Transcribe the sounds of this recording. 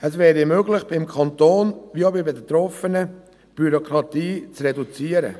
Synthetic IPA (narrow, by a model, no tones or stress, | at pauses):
əsvɛːɾimøːɡlɪχb̥ɪmkʰɑnt̪oːnʋiobɪbɛdɛt̪ɾɔfənə | b̥yɾokɾɑt̪iːt͡srɛdut͡siːəɾə̰